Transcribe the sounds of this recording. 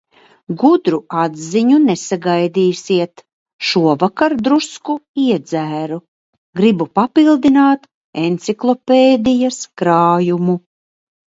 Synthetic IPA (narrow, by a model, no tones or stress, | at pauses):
ɡud̪ɾuad̪ziɲunesaɡajd̪iːsiɛt̪ | ʃuɔvakaɾd̪ɾuskuiɛd̪zæːɾu | ɡɾibupapilˠd̪inaːt̪ | ent̪siklˠɔpeːd̪ijaskɾaːjumu